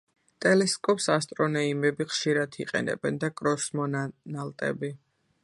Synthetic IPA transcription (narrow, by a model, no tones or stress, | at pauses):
t̪ʼɛlɛskʼɔpsast̪ʼɾɔnɔimɛbiχʃiɾad̪ʰiqʼɛ̰nɛ̰bɛnd̪akʼɾɔsmɔnnalˠt̪ʼɛ̰bi